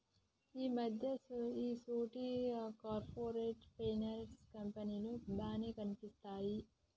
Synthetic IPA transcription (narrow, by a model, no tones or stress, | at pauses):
iːmɐd̪ʱjɐiːsuːʈikaːɾpʰoːɾeːʈpeːnɐɾskɐmpɐninud̪aːneːkɐnipist̪aːji